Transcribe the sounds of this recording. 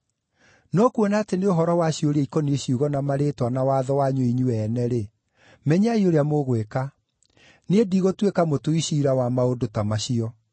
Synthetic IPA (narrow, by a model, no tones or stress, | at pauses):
nɔkuɔnaːteneoɦɔɾɔwaɕioɾeikɔnieɕiuɣɔnamaɾeːtwanawaðɔwaɲwoiɲuɛːnɛɾe | mɛɲaioɾeamoɣweka | nediɣotwekamotoiɕiɾawamaodotamaɕiɔ